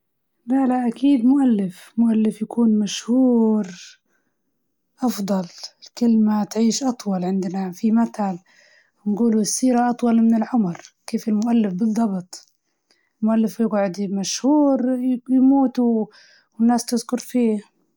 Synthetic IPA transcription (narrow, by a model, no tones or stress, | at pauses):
balaʔakiːd̪mʊʔalːɪfmʊʔalːɪfjakʰuːnmaʃhuːɾ | ʔɑfd̪ˤɑlɪlkɪlmat̪ʕiːʃʔɑt̪ˤwɑlʕɪnd̪nafimat̪al | wnɡuːluɪsːiːɾaʔɑt̪ˤwɑlmɪnɪlʕʊmɾkeːfɪlmʊʔalːɪfbɨlˤːɑbt̪ˤ | ɪlmʊʔalːɪfjɪɡʕʊd̪maʃhuːɾjmuːt̪u | wɪnːaːst̪ɪzkʊɾfiː